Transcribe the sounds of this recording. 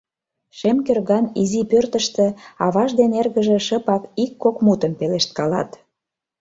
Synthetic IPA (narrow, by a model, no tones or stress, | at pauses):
ʃemkørɣɑnizipørt̪əʃt̪ĕɑβɑʒd̪enerɣəʒĕʃəpɑkikːokmut̪əmpeleʃt̪̚kɑlɑ̰t̪